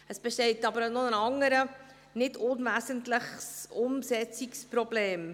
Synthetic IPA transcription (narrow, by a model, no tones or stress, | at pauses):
əsb̥ɛʃtɛɪtɑbəɾnɔənɑŋəɾə | nɪdʊnvæsəntləχsʊmsɛt͡sikspɾɔbleːm